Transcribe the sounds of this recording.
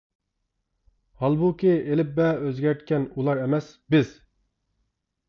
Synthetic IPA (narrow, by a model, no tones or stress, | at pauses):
hɑlˠbukʲielɪp̚bɛøzɡʲæɾt̪kʲɛnulˠɑɾɛmɛsbɪz̥